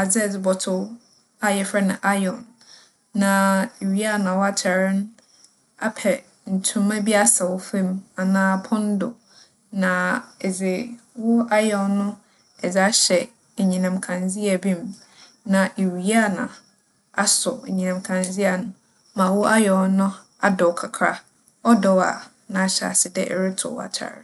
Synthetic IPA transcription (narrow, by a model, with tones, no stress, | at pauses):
a˨d͡zɪ˦ɛ˨d͡zɪ˨bɔ˨tʰʊ˦ | a˦jɛ˨fɾɛ˦nʊ̃˨ʔa˦jɔ̃˨nː | ã˨e˨wi˦a˦˨nã˨wʊ˦a˦t͡ɕʰɛ˨ɾɪ̃˦n | a˦pʰɛ˨ | n̩˨tʰʊ̃˦mã˦bi˦a˦sa˨wʊ˦fẽ˦ma˨nãː˦˨pʰɔ̃˦n˦dʊ̰˨ | nã˨ɛ˨d͡zɪ˨wʊ˦a˦jɔ̃˨nːʊ̃˦ | ɛ˨d͡za˦ɕɛ˨ | e˨ɲĩ˨nã˨mkʰã˨nzi˦a˨bĩ˦m | nã˨ʔe˨wi˨˦a˦nã̰˨ | a˦sʊ˨ɲĩ˨nã˨mkʰã˨nzi˦a˨nʊ̃˨ | mã˨wʊ˦ʔa˦jɛ˨ɔ˦nʊ̃˦ | a˦dɔ˨kʰa˨kʰɾa̰˦ | ɔ˦dɔ˨wa̰˨ | nã˨ɕɛ˨a̰˨sɪ˨dɛ˦ʔɛ̰˨ɾɪ˦tʰʊ̰˨a̰˨t͡ɕʰa̰˨ɾɪ̰˦